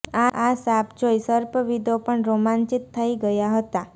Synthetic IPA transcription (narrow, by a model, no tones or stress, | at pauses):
aʔasapd͡ʒojsəɾpəʋid̪ʱopəɳɾomant͡ʃit̪ʰːəiɡəjaɦət̪a